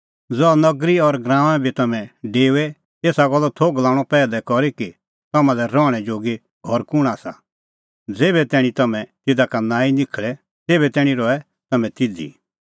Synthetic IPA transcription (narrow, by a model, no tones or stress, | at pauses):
d͡zɔnɐɡɾiɔɾɡɾãːʋ̃ãbʱit̪ɐmɛ̃ɖeːɛ | eːsaɡɔlːɔt̪ʰoɡlãːɽ̃ɔpɛːlɛkɔɾiki | t̪ɐmãlɛɾɔːɽ̃ɛd͡ʒoːɡi | ɦɔɾkʊɽ̃aːsa̰ | d͡zeːbɛt̪ɛːɽ̃ĩt̪ɐmɛ̃t̪ɪd̪akanãːinɪkʰɭɛ | t̪eːbɛt̪ɛːɽ̃ĩɾɔɛ | t̪ɐmɛ̃t̪ɪd̪ḭ